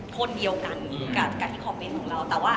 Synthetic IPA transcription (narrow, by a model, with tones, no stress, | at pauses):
kʰo˧ndi˧əwka˧nː˨˩˦ka˧˩kaː˧˩t̪ʰiː˥˩kʰɔː˧˩pːe˧nkʰɔː˩˦ŋɾa˧wt̪ɛː˨˩waː˥˩